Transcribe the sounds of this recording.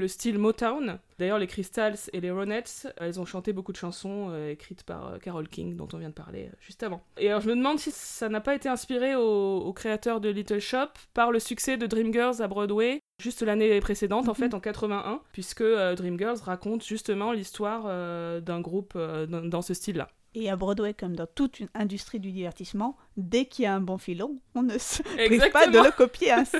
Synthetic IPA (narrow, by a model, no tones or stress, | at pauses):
ləst̪ilmɔt̪awnd̪ajœʁlekχist̪alseleʁɔnɛt̪sɛlzɔ̃ʃɑ̃t̪ebokud̪əʃɑ̃sɔ̃øekχit̪pa̰ʁø̰kaʁɔlkʲḭŋd̪ɔ̰̃t̪ɔ̃vjɛ̃d̪əpa̰ʁlḛø̰ʒyst̪avɑ̃ealɔʁʒəməd̪əmɑ̃d̪sisanapaet̪eɛ̃spiʁeoːkχeat̪œʁd̪əlit̪œlʃɔpːaʁləsyksɛd̪əd̪ʁimɡœlzabʁɔd̪we | ʒyst̪lanepχesed̪ɑ̃t̪ɑ̃fɛt̪ɑ̃kat̪χəvɛ̃ʔɛ̃pɥiskəød̪ʁimɡʲœʁzʁakɔ̃t̪ʒ̥yst̪əmɑ̃list̪waʁød̪ɛ̃ɡʁupød̪ɛ̃d̪ɑ̃səst̪ilːa̰ | eabʁɔd̪wɛkɔmd̪ɑ̃t̪ut̪ynɛ̃d̪yst̪χid̪yd̪ivɛʁt̪ismɑ̃ | d̪ɛkiljaɛ̃bɔ̃filɔ̃ɔ̃nəsəɛɡizak̚paədmə̃ləkɔpjeɛ̃